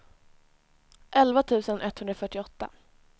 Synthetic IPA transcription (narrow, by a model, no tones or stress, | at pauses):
ʔɛlvat̪ʰʉ̟ːsənʔɛt̪ːhɵnd̪ɾafœʈːɪɔt̪ːa̰